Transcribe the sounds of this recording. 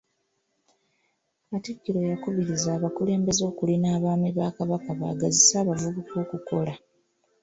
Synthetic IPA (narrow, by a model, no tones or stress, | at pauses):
katikːiɾo̞jakuβiɾizaːβakule̞ːmbe̞zo̞ːkulinaːβaːmiβaːkaβakaβa̰ːɡazisaːβavuβuko̞ːkuko̞la